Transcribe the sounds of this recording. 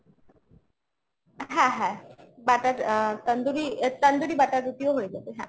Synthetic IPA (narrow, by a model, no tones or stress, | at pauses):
ɦãɦãbaʈatt̪ənd̪uɾiːt̪ənd̪uɾiːbaʈ̪at̪ut̪ijoɦoid͡zat̪eɦã̰